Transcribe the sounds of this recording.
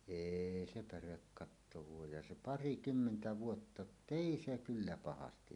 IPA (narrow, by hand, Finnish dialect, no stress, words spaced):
eːi se pærekːɑtːo ʋuojɑj jɑ se pɑrikymːentæ ʋuotːɑ jotː eˑi se kylːæ pɑhɑstiʋ